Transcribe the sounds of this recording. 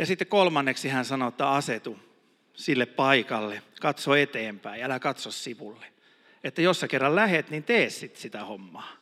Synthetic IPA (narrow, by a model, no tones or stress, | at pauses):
jɑsit̪ːekolmɑnːeksihænsɑnot̪ːˑɑːɑset̪u | silːeppɑikɑlːekɑt̪soet̪eːmpæiælækɑt̪sossiʋulːe̥ | et̪ːæjosːɑkerːɑllæhet̪nint̪eːssit̪sit̪æhomːɑː